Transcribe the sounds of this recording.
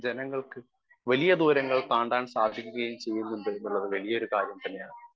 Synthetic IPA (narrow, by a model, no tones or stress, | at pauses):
d͡ʑenɐŋːɐɭkɨ | ʋɐlijɐd̪uːɾɐŋːɐɭt̪aːɳɖaːɳsaːd̪ʱikʲːuɣɐjumt͡ɕe̞jːunːuɳɖɨnuɭːɐðɨʋɐlijɐoɾukaːɾjɐmt̪ɐnːe̞jaːɳɨ